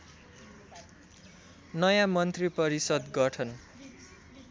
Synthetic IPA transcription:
nʌjãmʌnt̪ripʌɾisʌd̪ɡʌʈʰʌn

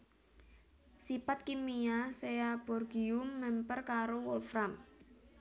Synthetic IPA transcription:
sipat̪̚kimiaseab̥ɔrɡiʊmːɛmpərkaɾowɔlfɾam

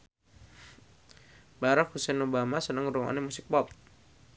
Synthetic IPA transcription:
baɾak̚husɛnobamasənəŋɾɔŋa̰nɛmusɪk̚pɔp̚

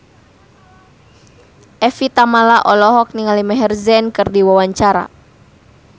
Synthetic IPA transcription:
ʔɛfit̪amalaʔɔlɔɦɔk̚niŋalimɛɦɛrzɛnkɨrdiwawaɲt͡ʃaɾa̰

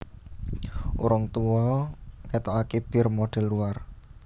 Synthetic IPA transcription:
ʔṵɾʊŋt̪uwɔkɛt̪ɔakeb̥ɪrmoɖ̥ɛ̤lːuar

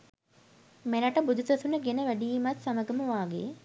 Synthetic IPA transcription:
melaʈəbud̪usɐsunəɡenəʋæɖijimat̪saməɡəməʋaːɡḛ

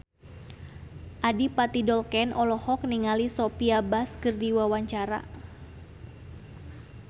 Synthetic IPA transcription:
ʔadipat̪idɔlkɛnʔɔlɔhɔk̚niŋalisopiabaskɨrdiwawaɲt͡ʃaɾa̰

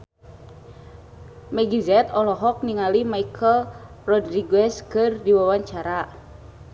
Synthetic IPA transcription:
mɛɡizɛt̪ɔlɔɦɔk̚niŋalimaikʰəl | rɔdriɡɛskɨrdiwawaɲt͡ʃaɾa

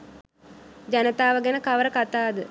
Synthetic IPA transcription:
d͡ʒanət̪aːʋəɡenəkaʋəɾəkat̪aːd̪ə

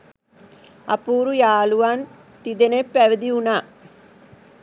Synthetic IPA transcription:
ɐ̰puːɾujaːluʋan | t̪id̪enepːeʋid̪iuna

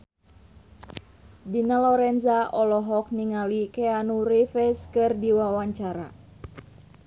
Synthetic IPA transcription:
dinalɔɾɛnzaʔɔlɔɦɔk̚niŋalikeanurifɛskɨrdiwawaɲt͡ʃaɾa̰

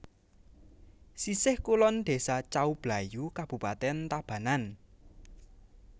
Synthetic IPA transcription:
sisɪhkulɔnd̪̥e̤sat͡ʃaub̥la̤jukab̥ṳpat̪ɛnt̪ab̥ä̤nan

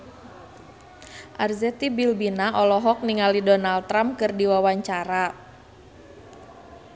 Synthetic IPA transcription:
ʔarzɛt̪ibilbinaʔɔlɔɦɔk̚niŋalidɔnaldt̪ːɾamkɨrdiwawaɲt͡ʃaɾa

